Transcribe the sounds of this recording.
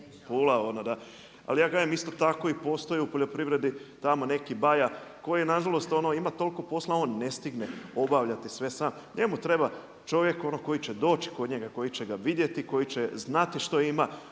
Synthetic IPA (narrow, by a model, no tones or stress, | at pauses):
puːlaonod̪a | a̰lijaːɡajemist̪o̞t̪ako̞ipo̞ːst̪o̞jeupo̞ʎo̞pɾiʋɾe̞d̪it̪amo̞ne̞kibajako̞jienaʒalˠo̞st̪o̞no̞imat̪o̞liko̞po̞slˠaonne̞st̪iɡneo̞baʋʎat̪isʋe̞saːm | ɲe̞mut̪ɾe̞ba | t͡ʃo̞ʋje̞ko̞noko̞jit͡ɕe̞d̪o̞ːt͡ɕi̥ko̞d̪ɲe̞ɡako̞jit͡ɕeɡaʋid̪jet̪iko̞jit͡ɕe̞znat̪iʃt̪o̞ima